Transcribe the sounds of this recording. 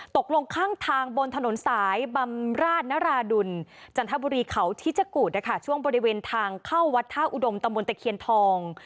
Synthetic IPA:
t̪o˨˩k̚lo˧ŋkʰaː˥˩ŋt̪ʰaː˧ŋbo˧nt̪ʰa˧no˩˦nsaː˩˦jba˧mɾaː˥˩t̪̚naː˦˥ɾaː˧du˧nt͡ɕa˧nt̪ʰa˦˥buː˧ɾiː˧kʰa˦wt̪ʰi˦˥t͡ɕa˧˩kuː˨˩na˥˩kʰa˥˩t͡ɕʰu˥˩əŋbɔː˧ɾi˧˥weː˧nt̪ʰaː˧ŋkʰaː˥˩wːa˦˥t̪ʰːaː˥˩ʔu˨˩do˧mt̪a˧mbo˧nt̪ɛ˨˩kʰi˧ənt̪ʰɔː˧ŋ

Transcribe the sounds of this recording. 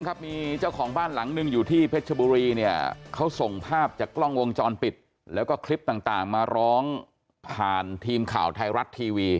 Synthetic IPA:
kʰa˦˥p̚miː˧t͡ɕa˥˩wkʰɔː˩˦ŋbaː˥˩nla˩˦ŋnɯ˧ŋjuː˨˩t̪ʰiː˥˩pʰe˦˥t̪̚t͡ɕʰa˧buː˧ɾiː˧ni˥˩ɐkʰa˦˥wso˨˩ŋpʰaː˥˩p̚t͡ɕaː˨˩kːlɔ˥˩ŋwo˧ŋt͡ɕɔː˧npi˨˩t̪̚ | lɛː˦˥wkɔː˥˩kʰli˦˥p̚t̪aː˨˩ŋt̪aː˨˩ŋmaː˧ɾɔː˦˥ŋ | pʰaː˨˩nt̪ʰiː˧mkʰa̰ː˨˩wt̪ʰa˧jɾa˦˥t̪ʰːiː˧wiː˧

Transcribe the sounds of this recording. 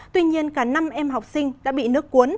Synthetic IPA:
t̪wi˧ɲi˧ənkaː˧˩na˧mʔɛ˧mɦa˨˩wk͡p̚sï˧ŋ̟ɗa̰ː˧˥ɓḭ˧˨nɨ˦˥ək̚kːu˨˦n

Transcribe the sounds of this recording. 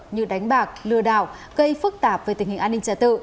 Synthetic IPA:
ɲɨ̰˧˨ɗa˨˦jŋ̟ɓaː˨˩k̚lɨ˧˩əɗa̰ː˧˩˨wɣə˧jfɨ˦˥k̚t̪aː˧˩p̚v̥əː˨˧˦t̪ï˨˩ŋ̟hi˨˩ŋ̟ʔaː˧nːï˧ŋt͡ɕaː˧˩t̪ɨ̰˧˨

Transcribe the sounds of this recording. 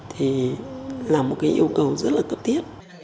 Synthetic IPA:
t̪ʰi˨˩laː˨˩mo˨˩t̚kaː˨˦ʔi˧əwkə˨˩wzə˦˥t̚laː˨˩kə˦˥p̚t̪ʰi˦˥əp̚

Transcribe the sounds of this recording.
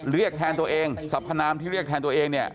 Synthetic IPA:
ɾi˥˩ək̚t̪ʰɛː˧nt̪u˧əʔeː˧ŋsa˨˩˥pʰːa˧naː˧mt̪ʰiː˥˩ɾi˥˩t̪ʰɛː˧nt̪u˧ɐʔeː˧ŋni˥˩ɐ

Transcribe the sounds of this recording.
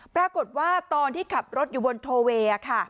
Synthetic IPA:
pɾaː˧ko˨˩t̪̚waː˥˩t̪ɔː˧nt̪ʰiː˥˩kʰa˨˩p̚ɾo˦˥t̪̚juː˨˩bo˧nt̪ʰoː˧weː˧a˨˩kʰa˥˩

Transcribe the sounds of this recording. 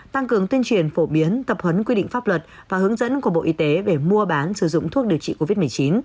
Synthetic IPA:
t̪a˧ŋkɨ˨˩əŋt̪wi˧ənt͡ɕwi˨˩ənfo˧˩ɓi˨˦ənt̪ə˨˩p̚hə˨˦nkwi˧ɗḭ˧˨ŋ̟faː˦˥p̚lwə˨˩t̚ | vaː˨˩hɨ˨˦əŋzə̰˧˥nku˧˩əɓo̰˧˨ʔi˨˧˦t̪e˨˦ve˧˨˩mu˧əɓaː˨˦nsɨ˧˩zʊ̰˧˨ŋ͡mt̪ʰu˦˥ək̚ɗi˨˩əwt͡ɕḭ˧˨ko˧vi˦˥t̚mɨ˨˩ət͡ɕi˨˦n

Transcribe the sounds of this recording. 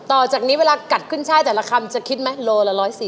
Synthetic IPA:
t̪ɔː˨˩t͡ɕaː˨˩k̚niː˦˥weː˧laː˧ka˨˩t̪̚kʰɯ˥˩nt͡ɕʰaː˦˥˩jt̪ɛː˨˩la˧˦kʰa˧mt͡ɕa˨˩kʰi˦˥t̪̚ma˦˥jloː˧la˧ɾɔː˦˥jsiː˨˩

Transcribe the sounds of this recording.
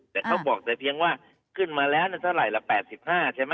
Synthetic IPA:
t̪ɛː˨˩kʰa˦˥wbɔː˨˩k̚t͡ɕaː˧˩pʰi˧əŋwaː˥˩ | kʰɯ˥˩nmaː˧lɛː˦˥wniː˥˩t̪ʰa˥˩wɾa˨˩jla˧˩pɛː˨˩t̪̚si˨˩p̚haː˥˩t͡ɕʰa˥˩ma˦

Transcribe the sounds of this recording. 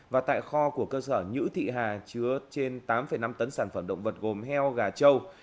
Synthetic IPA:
vaː˨˩t̪a̰ː˧˨jxɔ˧ku˧˩əkəː˧səː˧˩ɲɨ̰˧˥t̪ʰḭ˧˨ɦaː˨˩t͡ɕɨ˨˦ət͡ɕe˧nt̪aː˨˦mfə˨˩jna˧mt̪ə˨˦nsaː˧˩nfə˧˩mɗə̰˧˨ŋ͡mvə˨˩t̚ɣo˨˩mhɛ˧wɣaː˨˩t͡ɕə˧w

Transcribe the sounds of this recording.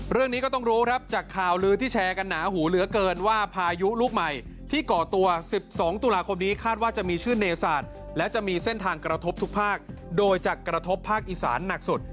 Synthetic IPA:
ɾɯ˥˩əŋniː˦kɔ˥˩t̪ɔ˥˩ŋɾuː˦˥kʰɾa˦˥p̚t͡ɕaː˨˩kʰːaː˨˩wlɯː˦˥t̪ʰiː˥˩t͡ɕʰɛː˧ka˧nːaː˩˦ɦuː˩˦lɯ˩˦ɐkɤː˧nwaː˥˩pʰaː˧ju˦˥luː˦˥˩k̚ma˨˩jt̪ʰiː˥˩kɔː˨˩t̪u˧ɐsi˨˩p̚sɔː˩˦ŋt̪uː˧laː˧kʰo˧mniː˦˥kʰaː˥˩t̪̚waː˥˩t͡ɕa˨˩ʔmiː˧t͡ɕʰɯː˥˩neː˧saː˨˩t̪̚ | lɛ˦˥wt͡ɕa˨˩ʔmiː˧se˥˩nt̪ʰaː˧ŋkɾa˧t̪ʰo˦˥p̚t̪ʰu˦˥k̚pʰaː˥˩k̚doː˧jt͡ɕa˨˩kɾa˧t̪ʰo˦˥pʰːaː˥˩k̚ʔi˨˩sa̰ː˩˦nːa˨˩k̚su˨˩t̪̚

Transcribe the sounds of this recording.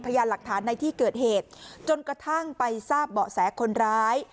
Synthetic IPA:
pʰa˧jaː˧nla˨˩k̚t̪ʰaː˩˦nːa˧jt̪ʰiː˥˩kɤː˨˩t̪̚heː˨˩t̪̚t͡ɕo˧nkɾa˧t̪ʰa˥˩ŋpa˧jsaː˥˩p̚bɔː˨˩sɛː˩˦kʰo˧nɾaː˦˥j

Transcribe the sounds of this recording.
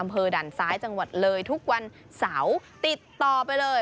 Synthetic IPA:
ʔa˧mpʰɤː˧daː˨˩nsaː˦˥jt͡ɕa˧ŋwa˨˩t̪̚lɤː˧jt̪ʰu˦˥k̚wa˧n | saː˩˦wt̪i˨˩t̪ːɔː˨˩pa˧jlɤː˧j

